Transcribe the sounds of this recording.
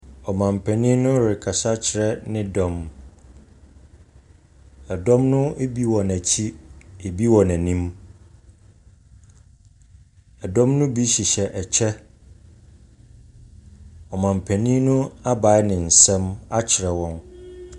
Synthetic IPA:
ɔ˨mã˨m˨pʰæ̃˨nĩ˦nʊ̃˦ɾɪ˨kʰa˨sa˦t͡ɕʰɪ˨ɾɛ˦nɪ̃˦dɔ̃˨m | ɛ˨dɔ̃˦mnʊ̃˦e˦bi˦wɔ̃˨næ˨t͡ɕʰi˦e˨bi˦wɔ̃˨næ̃˨nĩ˦m | ɛ˨dɔ̃˦mnʊ̃˦bi˦ɕi˨ɕɛ˨ʔɛ˨t͡ɕʰɛ˦ | ɔ˨mã˨m˨pʰæ̃˨nĩ˦nʊ̃˦a˦ba˨˦nɪ̃˨n̩˨sɛ̃˦ma˦t͡ɕʰɪ˨ɾɛ˨wɔ̃˦n

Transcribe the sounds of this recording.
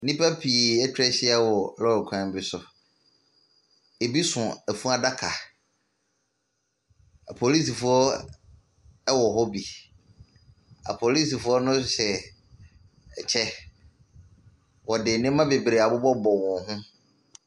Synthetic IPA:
nĩ˦pa˦pʰi˨ɛ˦t͡ɕʰᶣɪ˦ɾɛ˦ɕɪ˦a˦wɔ˨lɔ˦ɾkʷʰã˦m˨bɪ˦sʊ˨ | e˨bi˦sʊ̃˨æ˨fũ˦a˨da˦kʰa˨ | a˨pʰo˨li˦s̬i˨fʊ˦ɔ˦ | ɛ˦wɔ˨ɦɔ˦bi˨ | a̰˨pʰo˨li˦si˨fʊ˦ɔ˦nʊ̃˦ɕɛ˨ | ɛ˨t͡ɕʰɛ˦ | wɔ˨dɪ˨nɪ̃˦mã˦be˨bɾe˨a˨bʊ˦bɔ˦bɔ˨wɔ̃˨ɦʊ̃˦

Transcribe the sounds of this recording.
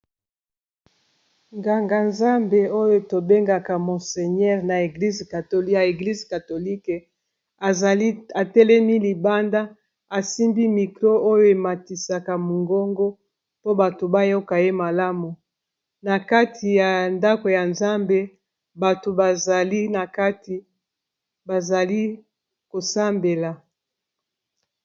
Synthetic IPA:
ŋɡa˨ŋɡa˨nza˦mbe˨o˦jo˦to˨be˦ŋɡa˨ka˨mo˨se˨ɲɛ˦ʁna˨e˨ɡli˦zka˨to˨lja˨e˨ɡli˦zka˨to˨li˦k | a˨˦a˨tɛ˦lɛ˦mi˦li˨ba˦nda˦ | a˨si˦mbi˦mi˨kʁo˦ʔo˦jo˦e˨ma˨ti˨sa˨ka˨mu˨ŋɡo˦ŋɡo˦ | po˦ba˨to˨ba˦jo˦ka˨e˦ma˨la˦mu˨ | na˨ka˦tʰi˨ja˨nda˦ko˨ja˨nza˦mbe˦ | ba˨to˨ba˨za˨li˦na˨ka˦ti˨ | ba˨za˨li˦ | ko˨sa˦mbe˨la˨

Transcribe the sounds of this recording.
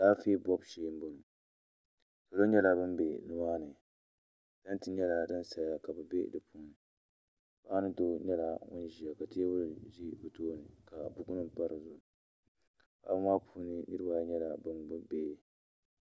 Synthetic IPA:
daː˦feː˦bɔ˦bʃeː˦m˦bo˦˨n˨ | so˨lo˦ɲɛ˦la˨bɨ˦mbe˨nɨ˦maː˦nɨ˨ | d̥a˦n˦tɨ˦ɲɛ˦la˨dɨ˦n˦sa˨ja˦ka˨bɛ˨bḛ˦dɨ˨pʰuː˦n˨ | baː˦nɨ˦do˦ɲɛ˦la˨ŋʊ̰˦n˦ʒi˨a˨ka˨ti˦e˦bʊ˦ɾʒi˦bɨ˨toː˦nɨ˨ka˨bu˦ku˦nɨ˦pa˦ɾɨ˨zʊ˨ | ba̰˨˦bɨ˦maː˦pʰuː˦nɨ˦nɨ˦ɾɨ˦ba˦˨˦ɲɛ˦la˨bɨ˦nbɨ˦beː˨

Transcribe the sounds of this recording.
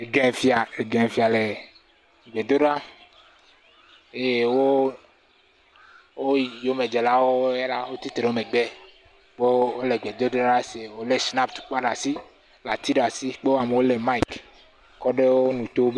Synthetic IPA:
e˨ɡɛ˦fi˦a˨e˨ɡɛ˨nfi˨a˨le˨ | ɡ͡be˨d̪o˦ɖa˦ | e˨wo˦ | wo˦jo˦me˨d͡ʒe˨la˦wo˦e˦la˦wo˦t̪i˦t̪ɾe˨wo˦me˨ɡ͡be˦ | k͡pe˦wo˦le˨ɡ͡be˨d̪o˦d̪ɾa˦ɖa˦se˨wo˨le˦sna˦pt̪u̥˨k͡pa˦ɖa˨si˦ | la˨t̪i˦ɖa˨si˦k͡pe˦wo˦a˨me˨wo˦le˨ma˦i˨k | kɔ˦ɖe˦wo˦nũ˨t̪o˦b

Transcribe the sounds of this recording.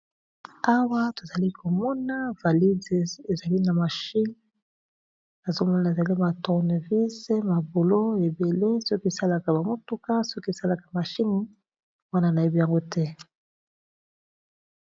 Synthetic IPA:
a˦wa˦to˨za˨li˦kʰo˨mɔ˦na˦va˨li˦de˨e˨za˨li˦na˨ma˨ʃi˦n | na˨zo˦mɔ˦na˨e˨za˨li˦ma˨tɔ˨ʁne˨vi˦ze˦ma˨bo˨lo˦e˨be˨le˦sɔ˦ke˨sa˦la˨ka˨ba˨mo˦tu˦ka˦so˦ke˨sa˦la˨ka˨ma˨ʃi˦ni˦ | wa˦na˦na˨e˦bi˦ja˨ŋɡo˦tɛ˦

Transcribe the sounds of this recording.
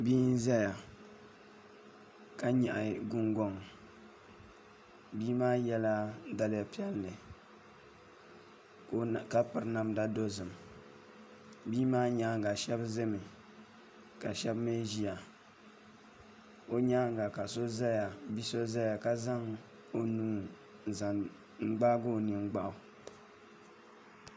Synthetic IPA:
biː˦n˦za˦ja˨ | ka˦ɲɛ˨ʔa˨ɡʊ˦ŋɡɔ˨ŋ˨ | biː˦maː˦jɛ˦la˦da˦lɪ˦ja˨pi˦ɛ˦lnɨ˨˦ | ka˦pɨ˨ɾna˦mda˦do˦zɨ˨m | biː˦maː˦ɲa˦ɡa˨ʃɛ˦bzɨ˦mɨ˨ | ka˨ʃɛ˦bme˦ʒi˦ja˨ | o˦ɲa˦ɡa˨ka˨so˦za˦ja˨bi˦so˦za˦ja˨ka˦za˦ŋ | o˦nuː˦˨ | za˨ | ŋ͡m̩˦ɡ͡ba˦ɡo˦˨nɨ˨ŋ͡mɡ͡ba˦ʔʊ˨

